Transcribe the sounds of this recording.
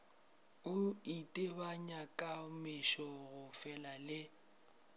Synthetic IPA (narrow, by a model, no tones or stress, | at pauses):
ʊitʼɪbaɲakʼamɪʃɔɣʊfɛlalɪ